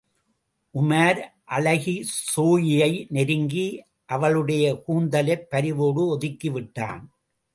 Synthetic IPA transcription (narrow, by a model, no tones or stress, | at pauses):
ʔʊmaːɾʔɐɭɐɣisoːjɪjɐɪnɛɾɯŋɡi | ʔɐʋɐɭɯɽɐjɐkuːnd̪ɐlɐɪpːɐɾɪʋoːɽɯɔðɪkːiʋɪʈːa̰ːn